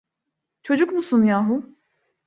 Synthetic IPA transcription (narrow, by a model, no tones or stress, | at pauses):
t͡ʃʰo̞d͡ʒukmusunjaːɦu